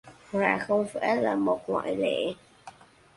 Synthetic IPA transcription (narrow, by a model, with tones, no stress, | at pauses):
wa̰ː˧˩xə˧wŋ͡mfa˧˥˦laː˨˩mo˨˩t̚ŋwa̰ː˧˨jlḛ˧˨